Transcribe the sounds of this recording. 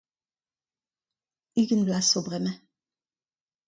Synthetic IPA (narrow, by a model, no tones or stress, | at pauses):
iɡənblasobʁɛmɛ